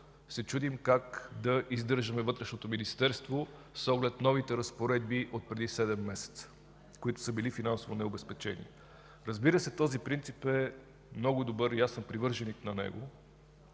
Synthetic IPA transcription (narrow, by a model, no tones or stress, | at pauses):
sɛt͡ʃud̪imkakd̪ɐʔizd̪ɤɾʒəmɛvɤt̪ɾɛʃnot̪ominist̪ɛɾst̪vosɔɡlɛt̪nɔvit̪ɛɾɐspoɾɛd̪̚biʔot̪̚pɾɛd̪isɛd̪ɛmːɛsɛ̥t̪sə̥ | koit̪ʊ̥səbilifinansovonɛobɛspɛt͡ʃɛnḭ | ɾəzbiɾəsɛt̪ɔzipɾint̪sipɛ | mnɔɡʊid̪obɤɾijasɛnpɾivɤɾʒɛniknɐnɛ̰ɡo̰